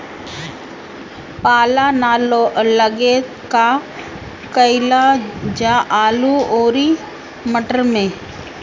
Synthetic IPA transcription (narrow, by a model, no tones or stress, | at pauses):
paːlanaːloʔləɡe | ka | kəɪlad͡ʒaʔaːluoːɾi | məʈəɾmẽː